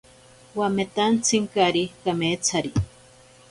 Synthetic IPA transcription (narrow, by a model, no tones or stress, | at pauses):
wamet̪ant͡sʰɨŋkaɾikameːt͡sʰaɾi